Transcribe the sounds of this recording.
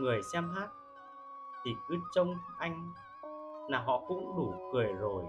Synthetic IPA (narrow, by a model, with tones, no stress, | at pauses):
ŋɨ˨˩əjsɛ˧mɦaː˦˥t̚ | t̪ʰi˨˩kɨ˨˦t͡ɕə˧wŋ͡mʔa˧jŋ̟ | laː˨˩ɦɔ̰˧˨kʊ̰˧˥ŋ͡mɗu˧˩kɨ˨˩əjzo˨˩j